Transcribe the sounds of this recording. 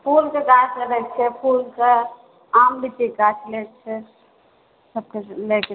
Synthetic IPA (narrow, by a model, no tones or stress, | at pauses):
pʰulkekat͡ʃʰkeɾɛk̚t͡ʃʰɛpʰulke | ambʱit̪ikat͡ʃʰlɛk̚t͡ʃʰɛ | səb̚kelek